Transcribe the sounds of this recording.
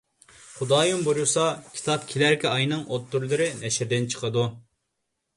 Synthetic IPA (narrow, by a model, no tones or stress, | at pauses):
χud̪ɑːjumboɾusɑkʲʰi̥t̪ʰɑp̚kʲʰilæɾkʲɛɑjnɨŋʔot̪ːuɾlˠɨɾɨnɛʃɪɾd̪ɪnt͡ʃʰə̥qʰəd̪u